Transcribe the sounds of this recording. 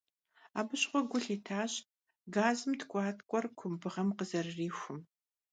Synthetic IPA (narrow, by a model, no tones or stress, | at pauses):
a̰ːbɨɕχʷɔɡʷʊɬiːtʰaːɕ | ɡaːzɨmtʰkʷʼɑːtʰkʷʼɔrkʷʰʊmbɨʁɐmqəzɐrriːxʷʊm